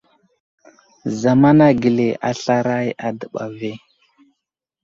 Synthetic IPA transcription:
za˨ma˦na˦ɡi˨le˨ʔa˨ɬa˦ɾa˦ja˨də˨ɓa̰˨ve˦

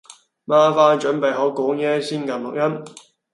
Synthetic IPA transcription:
maː˥faː˥nt͡ʃɵ˨˥npe˨jɦɔ˨˥wkɔː˨˥ŋjɛː˥siː˥nkɐ˨nlʊ˨k̚jɐ˥m

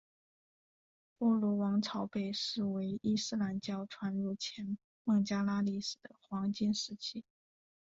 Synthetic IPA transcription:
pɔ˥˩lɔ˧˥wɑ˧˥ŋt͡sʰɑ˧˥ʊpe˥˩ɪʂɻ̩˥˩we˧˥ɪi˥sɹ̩˥˧la˧˥nt͡ɕjɑ˥˩ʊʈ͡ʂʰwa˧˥nɻu˥˩t͡ɕʰjɛ˧˥n | mɤ˥˩ŋt͡ɕja˥la˥li˥˩ʂɹ̩˥˩d̪ə˦xwɑ˧˥ŋt͡ɕi˥nʂɻ̩˧˥t͡ɕʰi˥

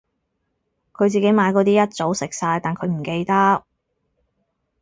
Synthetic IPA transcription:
kʰɵ˨˧ɥt͡siː˨ke˨˥jmaː˨˧jkɔː˨˧t̪iː˥jɐ˥t̚t͡so˨˥wsɪ˨k̚saː˧jt̪aː˨nkʰɵ˨˧ɥm̩˨˩ke˧jt̪ɐ˥t̚

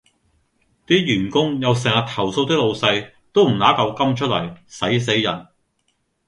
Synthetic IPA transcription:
t̪iː˥jyː˨˩nkʊ˥ŋjɐ˨˧ws̬ɛː˨˩ŋɐ˨t̪ʰɐ˨˩wso˧wt̪ɪ˥k̚lo˧wsɐ˧j | t̪o˥wm̩˨˩laː˨˥kɐ˨˧wkɐ˥mt͡ʃʰɵ˥t̚lɐ˨˩jsɐ˨˥js̬e˨˥jːɐ̰˨˩n

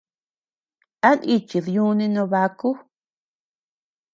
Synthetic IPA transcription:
a˦ni˧t͡ʃi˨ðjũ˦nĩ˧nõ˧βa˧ku˦

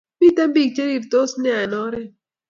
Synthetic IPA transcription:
bi˦t̪a˦mbi˦˨ɡ̚t͡ʃe˦ɾi˨ɾd̪o˦snja˨nɔ˦ɾe˦

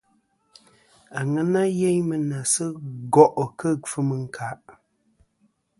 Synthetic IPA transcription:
a˨ŋə˦na˦je˦ɲmə˨na˨sə˦ɡɔ˦ʔkə˦˨fɨ˦mə˨ŋ̩˦˨kʰa˨˦ʔ

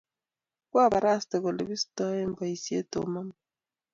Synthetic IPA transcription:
kwa˦βa˨ɾa˦ste˨kɔ˨le˨bi˦sta˦e˦mba˨i˨si˦e˦to̰˨ma˦m

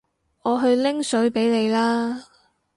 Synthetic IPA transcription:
ɔː˨˧ɦɵ˧ɥlɪ˥ŋsɵ˨˥ɥpe˨˥jle˨˧jlaː˥

